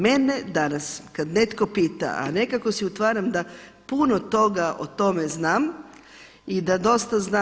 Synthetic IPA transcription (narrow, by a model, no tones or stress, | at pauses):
mene̞d̪anaskad̪ne̞t̪ko̞piːt̪a̰ʔa̰ne̞kako̞siut̪ʋaːɾamd̪apunot̪o̞ɡaʔo̰t̪o̞me̞znaːm | id̪ad̪o̞st̪aznaː